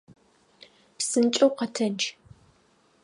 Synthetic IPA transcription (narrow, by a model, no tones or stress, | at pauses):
psɨnt͡ʃʼɐwqɐtʰɐnt͡ʃʰ